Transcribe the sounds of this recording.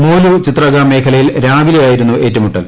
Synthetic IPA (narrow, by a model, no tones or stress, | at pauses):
moːlut͡ɕit̪rɐɡaːme̞ːkʰɐlɐjilɾaːʋilejaːjiɾunːuʔe̞ːtːɐmuʈːɐ̰l